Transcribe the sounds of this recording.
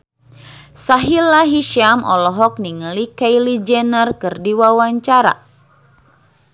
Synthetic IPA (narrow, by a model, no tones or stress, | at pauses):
saɦilːaɦiʃiamɔ̰lɔɦɔk̚niŋəlikajlid͡ʒɛnərkɨrdiwawaɲt͡ʃaɾa̰